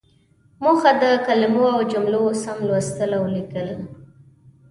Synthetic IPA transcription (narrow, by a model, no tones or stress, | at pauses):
moxad̪əkalɪmoawd͡ʒʊmlosamlwast̪əlawlikəl